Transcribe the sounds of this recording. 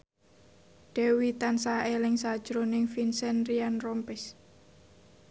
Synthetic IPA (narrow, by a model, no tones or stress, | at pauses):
ɖ̥e̤wit̪ansaʔelɪŋsad̥ʒ̥ɾonɪŋfinsɛnrianrɔmpɪs